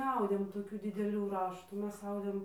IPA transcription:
nʲɛˈɐʊdʲeːm toːˈkʲuː dʲɪdʲɛˈlʲuː ˈrɑːʃtuː ˈmʲɛs ˈɐʊdʲeːm

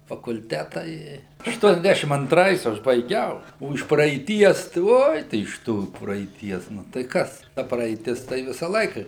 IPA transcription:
fɐkʊlʲˈtʲæːtɐ ˈɪ ɐʃˈtuɔnʲɛzʲˌdʲæʃʲɪm ɐnˈtrɐɪs ˈɐʃ bɐɪˈɡʲɛʊ ˈoː ɪʃ prɐɛɪˈtʲiɛs tɐɪ ˈoːj tɐɪ ɪʃ ˈtuː prɐɛɪˈtʲiɛs ˈnʊ tɐɪ ˈkɐs ˈtɐ prɐɛɪˈtʲɪs ˈtɐɪ ˈʋʲɪsɐ ˈlˠɐɪkɐ

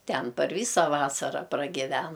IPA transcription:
ˈtʲɛn pɐr ˈʋʲiːsɐ ˈʋɑːsɐrɐ prɐɡʲɪˈʋʲɛn

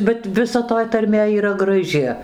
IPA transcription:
bʲɛt ʋʲɪˈsɐ toːj tɐrʲˈmʲeː iːˈrɐ ɡrɐˈʒʲɪ

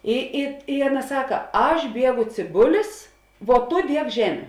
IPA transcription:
ˈɪ ɪ ɪ ˈɑːˌnɐ ˈsɑːkɐ ˈɐʃ ˈbʲiɛɡʊ t͡sʲeːˈbʊlʲɪs ʋuɔ ˈtʊ ˈdʲiɛk ˈʒʲæːmʲʊ

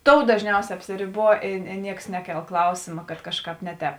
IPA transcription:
ˈtoːʊ dɐʒʲˈnʲɛʊsʲɛː ɐpʲsʲɪrʲɪˈbuɔ ɪ ɪ ˈnʲiɛks ˈnʲæːˌkʲɛlˠ ˈklˠɐʊsʲeːmɐ kɐt ˈkɑːʃˌkɑːp ˈnʲɛ ˌtʲɛːp

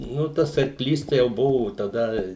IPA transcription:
ˈnʊ ˈtɐs ɐrˈklʲiːs jɛʊ ˈbʊʋoː tɐˈdɐ

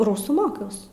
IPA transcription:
ˈruːsuː ˈmoːkʲɛʊs

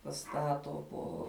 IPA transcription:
pɐˈstɑːtoː poː

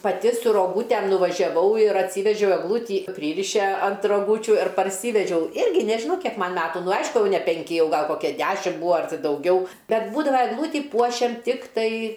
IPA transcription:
pɐˈtʲɪ sʊ roːˈɡuːtʲɛm nʊʋɐʒʲɛˈʋɐʊ ɪr ɐtʲˈsʲiːʋʲɛʒʲɛʊ ɛɡˈlˠuːtʲiː ˈpʲrʲiːrʲɪʃʲɛ ɐnt roːˈɡuːt͡ʃʲʊ ɪr pɐrʲˈsʲiːʋʲɛd͡ʒʲɛʊ ˈɪrʲɡʲɪ ˈnʲæːʒʲɪnɐʊ ˈkʲiɛk ˈmɐn ˈmʲæːtʊ ˈnʊ ˈɐɪʃkʊ nʲɛ pʲɛŋʲˈkʲɪ ˈjɛʊ ˈɡɐlˠ ˈkoːkʲɛ ˈdʲæːʃʲɪm ˈbuːɐ ɐr dɐʊˈɡʲɛʊ ˈbʲɛt ˈbuːdɐʋɐ ɛɡˈlˠuːtʲiː ˈpuɔʃʲɛm ˈtʲɪktɐɪ

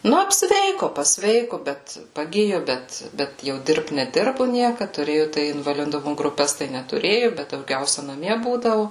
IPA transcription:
ˈnʊ ɐpʲsʲˈʋʲɛɪkʊ pɐsʲˈʋʲɛɪkʊ bʲɛt pɐˈɡʲɪjʊ ˈbʲɛt ˈbʲɛt jɛʊ ˈdʲɪrpt nʲɛˈdʲɪrbʊ ˈnʲiɛkɐt tʊˈrʲeːjʊ tɐɪ ɪnʋɐlʲɪˈdʊmʊ ɡrʊˈpʲɛs tɐɪ nʲɛtʊˈrʲeːjʊ bʲɛt dɐʊˈɡʲɛʊsʲɛ nɐˈmʲiɛ ˈbuːdɐʋʊ

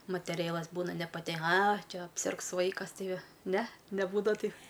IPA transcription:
mɐtʲɛˈrʲeːlˠɐs ˈbuːnɐ nʲɛpɐˈtʲɛ ɐ ˈt͡ʃʲɛ ɐpʲˈsʲɪrks ˈʋɐɪkɐs ˈtɐɪ ˈnʲɛ nʲɛˈbuːdɐʋɐ ˈtɐɪ

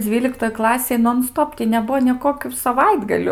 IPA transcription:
ˈd͡zʲʋʲiːlʲɪktoːj ˈklˠɑːsʲeːj noːn ˈstoːp tʲiː nʲɛˈbuɔ nʲeː ˈkoːkʲuː sɐˈʋɐɪdɡɐlʲʊ

